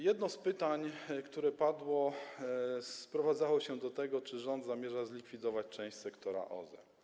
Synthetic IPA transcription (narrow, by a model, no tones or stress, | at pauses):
jɛd̪nɔspɘt̪aɲkt̪uɾɛpad̪wɔ | pɾɔvad̪zawɔɕɛd̪ɔt̪ɛɡɔt͡ʂɘʐɔnd̪zamʲjɛʐazlʲikfʲid̪ɔvat͡ɕt͡ʂɛ̃w̃ɕt͡ɕʲsɛkt̪ɔɾa̰ʔɔ̰zɛ̰